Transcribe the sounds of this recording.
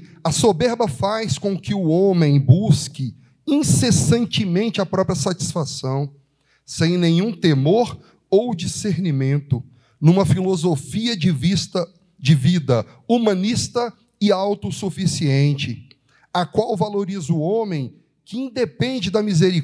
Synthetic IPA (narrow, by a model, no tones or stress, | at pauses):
ɐsobeɾbɐfajskõkɪʊõmẽj̃buskɪ | ĩsesɐ̃nt͡ʃɪmẽnt͡ʃɪɐpɾɔpɾjɐsat͡ʃi̥sfasɐ̃w̃ | sẽj̃nẽj̃ũt̪emoɾ | owd͡ʒiseɾnimẽnt̪ʊ | nũmɐfilozofiɐvs | d͡ʒɪvid̪ɐ | umɐ̃nist̪ɐ | ɪawt̪ʊsufisiẽnt͡ʃɪ | ɐkwawvaloɾizʊõmẽj̃ | kɪĩnd̪epẽnd͡ʒɪd̪ɐmizeɾi